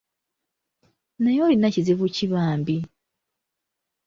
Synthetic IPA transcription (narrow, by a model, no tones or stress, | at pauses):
najolinaciziβuciβaːmbi